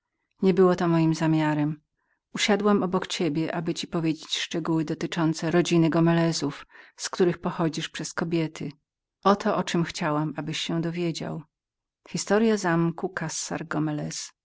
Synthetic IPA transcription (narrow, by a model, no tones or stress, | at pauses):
ɲɛbɘwɔt̪ɔmɔjimzamʲjaɾɛm | uɕad̪wamɔbɔkt͡ɕebʲjɛʔabɘt͡ɕipɔvʲjed͡ʑet͡ɕʂt͡ʂɛɡuwɘd̪ɔt̪ɘt͡ʂɔnt̪sɛɾɔd͡ʑinɘɡɔmɛlɛzufskt̪uɾɘxpɔxɔd͡ʑiʂpʂɛskɔbʲjɛt̪ʰɘ | ʔɔt̪ʰɔʔɔt͡ʂɘmxt͡ɕawamabɘɕːɛ̃d̪ɔvʲjed͡ʑa̰w | xʲist̪ɔɾjazamkukasːa̰ɾɡɔmɛlɛs